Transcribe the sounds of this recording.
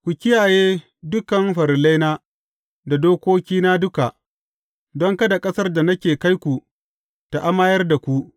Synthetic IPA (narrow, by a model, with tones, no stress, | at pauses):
kʷu˨kʲɪ˦jaː˨jeː˦ | dʊ˦kɐ˨mɸɐ˨ɾɪ˨la˦jnaː˦ | da˨doː˦kʷoː˦kʲiː˦naː˦dʊ˦ka˨ʔ | dɔ˦ŋkɐ˦da˨kʼɐ˦sɐ˦rda˨nɐ˦kʲeː˨ka˦jkʷu˨ | ta˨ʔa˦maː˦jɐ˦rda˨kʷu˦ʔ